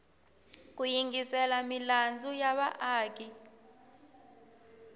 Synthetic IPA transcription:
k̬ʼujiŋɡisɛlamiland͡zʱujaɓaʔaːk̬ʼi

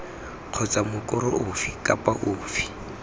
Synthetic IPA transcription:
q͡χʰɔt͡samʊkʼʊɾʊʊfikʼapʼaʔʊːfi̥

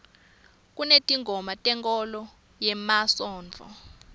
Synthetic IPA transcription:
k̬ʼunetʼiŋɡʱɔmatʼɛŋkʼɔlɔ | jɛmasɔːnd͡ɮʱɔ̰

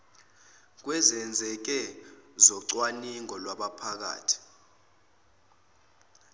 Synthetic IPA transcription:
k̬wɛzɛnd͡zʱɛk̬ɛzɔǀwaniŋɔlwaɓapʰak̬a̰ːtʰi̥

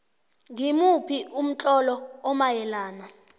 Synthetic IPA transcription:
ŋimupʰium̩t͡ɬʼɔlɔɔmajɛlaːna

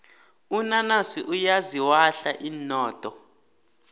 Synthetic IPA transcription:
unanasiʔujaziwaɬaʔinɔːtʼɔ

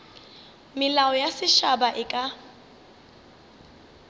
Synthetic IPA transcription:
mɪlaɔjasɪʃabaʔɪkʼa

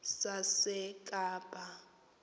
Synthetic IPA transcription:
sasɛkʼaːb̥ʼʱa

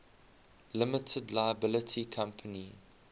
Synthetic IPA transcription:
lɪmətʰədlaɪəbɪlətʰikʰãmpʰəni

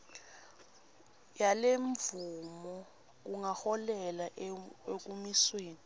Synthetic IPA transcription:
jaleɱvumɔ | k̬uŋahɔlɛlaek̬umisweːni

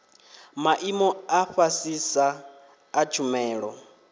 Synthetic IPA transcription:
maʔimɔaɸasisaː | t͡ʃʰumɛːɺɔ̰

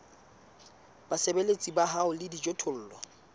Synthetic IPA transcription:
basebelet͡sʼibaɦaʊlɪdid͡ʒʼotʰʊl̩ːlwa

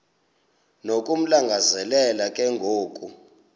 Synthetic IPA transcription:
nokʼum̩laŋɡʱazɛlɛlakʼɛŋɡʱoːkʼu

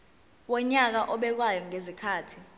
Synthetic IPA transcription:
wɔɲak̬aʔɔɓɛk̬wajɔŋezikʰaːtʰi̥

